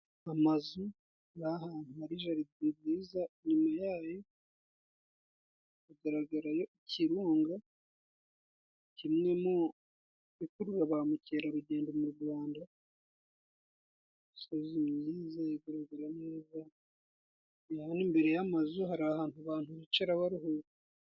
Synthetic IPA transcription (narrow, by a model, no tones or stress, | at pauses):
amazu | haɾaahaːnuhaɾiʒaɾiibiːzanimajaːjo̞ | iɡaɾaɡaɾajo̞iciɾoːŋɡa | cimŋe̞mo | βikuɾuɾaβamuceːɾaɾuɟe̞ːndoumuɾɡwaːnda | isozimɲiːzajiɡaɾaɡaɾaneːza | jaβanimbe̞ɾe̞jamazuɦaɾahaːntuaβaːn̥huβit͡ʃeɾaβaɾiɦoɾu